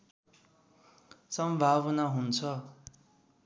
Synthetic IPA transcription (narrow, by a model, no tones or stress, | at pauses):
sʌmbʱabʌnaɦunt͡sʰʌ